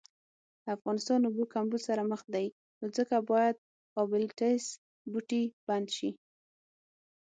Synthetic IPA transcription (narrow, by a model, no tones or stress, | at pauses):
d̪əafɣɑnɪst̪ɑnubukambusaɾaməxd̪aj | nod͡zəkabɑjad̪̚ | qɑbɪlʈes | buʈib̥and̪ʃi